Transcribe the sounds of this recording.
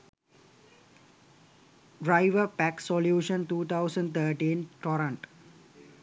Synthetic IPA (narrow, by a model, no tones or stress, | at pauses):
ɖɾaɪʋəpæksoljuːʃə̃nt̪uːt̪ʰaʊsə̃ɳɖt̪ʰəːʈĩːnʈɔɾə̃ɳʈ